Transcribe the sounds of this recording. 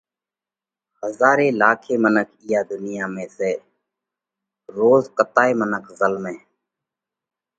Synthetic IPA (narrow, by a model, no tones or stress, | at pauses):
həzaːɾeːlaːkʰeːmənəkʰijaːd̪ʊnɪjaːmẽːseː | ɾoːzkət̪aːeːmənəkʰzəlmẽː